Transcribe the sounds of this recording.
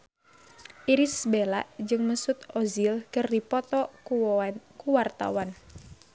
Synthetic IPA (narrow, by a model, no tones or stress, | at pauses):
ʔiɾisbelaʔd͡ʒɨŋməsut̪ɔzilkɨrdipɔt̪ɔ | kuwart̪a̰wan